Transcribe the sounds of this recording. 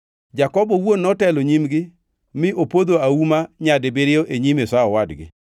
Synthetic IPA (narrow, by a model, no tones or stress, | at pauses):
d͡ʒakɔbɔwonːɔtɛloɲimɡɪ | mɪʔopod̪oaumaɲadebeɾɪoʔeɲimesaɔwadɡɪ̰